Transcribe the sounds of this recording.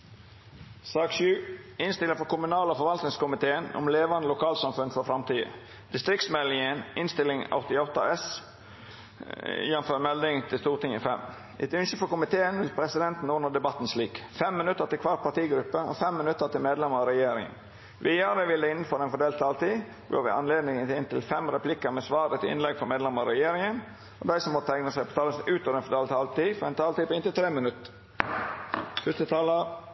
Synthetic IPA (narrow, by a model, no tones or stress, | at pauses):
sɑːkʃʉːɪnst̪ɪlɪŋfɔkʊmʉnɑːləɔfɔɾʋɑlt̪nɪŋskʊmɪt̪ʰeːənʊ̰mleːʋɑnd̪əlʊkʰɑːlsɑmfʉnfɔfɾɑmt̪ʰiːə̰ | d̪̥ɪst̪ɾɪkt̪smɛlːɪŋənɪnst̪ɪlɪŋɑ̰ʊt̪ɪɔt̪ɑ̰ɛs | jɛnføːɾmɛld̪ɪŋt̪ʰɪlst̪uːʁt̪ʰɪŋɪ̰fɛ̰m | ʔɛ̰t̪ʏnʃəfɔkʊmɪt̪ʰeːənʋɪlpʰɾɛsɪd̪ɛnt̪n̩ʊnəʁd̪ɛbɑt̪ːn̩sliːkfɛmːɪnʉt̪ːəʁt̪ɪkʰʋɑːʁt̪̚pʰɑt̪iːɡɾʉpːəɔ̰fɛmːɪnʉt̪ːət̪ʰɪlmeːd̪lɛməɾɑɾɛjeːɾɪŋə̰n | ʋiːɑːɾəʋɪlːəɪnːən̩fɔɾɛnfɔd̪eːlt̪ʰɑːlt̪iː | bo̰ːʋɪ̰ɑ̰nleːd̪nɪŋəɪnt̪ʰɪlfɛmɾɛpʰlɪkəmɛsʋɑːɾət̪ɪɪ̰nlɛɡfɔmeːd̪lɛməɾɑɾɛjeːɾɪŋən | ɔd̪æɪsɔmːɔt̪ʰt̪ʰæɪŋnəsæɪpʰɔ̥t̪ʰɑːləsʉːt̪ɔʋɾɛnfɔd̪eːlt̪ʰɑːlt̪iːfɔɾɛnt̪ʰɑːlt̪iːpɔɪnt̪ɪlt̪ʰɾeːmɪnʉt̪ː | fʉst̪ət̪ʰɑːlə